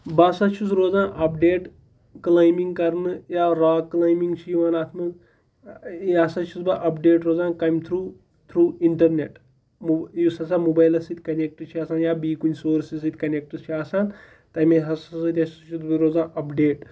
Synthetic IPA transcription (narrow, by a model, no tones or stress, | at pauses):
basɐt͡ʃʰusɾoːd͡zãːʔɐp̚ɖeːʈ | klaːjmiŋɡkɐɾnɨjaːɾaːkːlaːjmiŋɡt͡ʃʰiʋanaːt̪ʰmɐ | ɐsɐt͡ʃʰusbaʔɐpɖeːʈɾoːd͡zaːnkɐjmt̪ʰɾuː | t̪ʰɾuːiɳʈɐɾneʈ | mujusɐsamubaːjlɐsit̪ʲkɐnek̚ʈɨt͡ʃʰiaːsaːnjaːbiːkunʲsoːɾsis̬it̪ʲkɐnek̚ʈust͡ʃʰiaːsaːn | t̪ɐjmeɦɐsɐsɐt̪ʲɐt͡ʃʰuɾoːd͡zãːʔɐpɖeːʈ